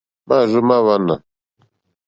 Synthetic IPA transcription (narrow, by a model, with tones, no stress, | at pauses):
ma˦˨zu˦ma˦wa˦na˨